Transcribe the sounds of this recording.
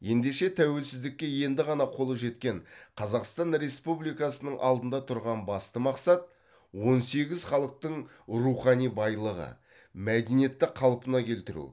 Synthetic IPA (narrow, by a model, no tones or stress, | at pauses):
je̞nd̪e̞ʃe̞t̪ʰæwe̞lsɪzd̪ɪk̚ʲːe̞je̞nd̪ɪʁɑnɑqʰo̞lˠəʒe̞t̪kʲe̞ɴqʰɑzɑqst̪ɑnɾe̞spublijkɑsənəɴʔɑ̰lˠd̪ənd̪ɑt̪ʰʊɾʁɑnbɑst̪əmɑqsɑt̪̚ | wo̞nse̞ɡʲɪzχɑlˠəq̚t̪əɴ | ruχɑnijbɑjlˠəʁə̰ | mæd̪enije̞t̪ːɪqʰɑlˠpənɑkʲʰe̞lt̪ɪɾṵ